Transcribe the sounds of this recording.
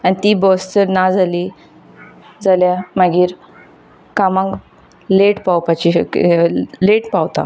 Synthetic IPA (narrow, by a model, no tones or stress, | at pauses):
anit̪ibɔst͡səɾnad͡zali | d͡zaljamaɡiːɾ | kamãŋk | leʈpawpat͡ɕi | leʈpawt̪a̰